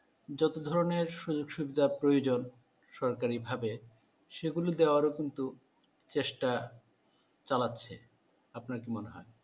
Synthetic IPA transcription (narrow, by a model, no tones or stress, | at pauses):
d͡ʑɔt̪od̪ʱɔɾoneɾʃud͡ʑoɡʃubid̪ʱapɾojod͡ʑon | ʃɔɾkaɾibʱabe | ʃeɡulod̪eoaɾokint̪u | t͡ɕeʃʈa | t͡ɕalatːɕʰe | apnaɾkimoneɦɔ̰e